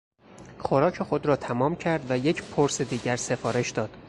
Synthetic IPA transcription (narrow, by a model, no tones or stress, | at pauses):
xoɾɒːcʰe̞xo̞d̪ɾɒːt̪ʰæmɒːmcʰæɾd̪væje̞cʰpʰoɾse̞d̪iːɟæɾse̞fɒːɾe̞ʃd̪ɒːd̪̥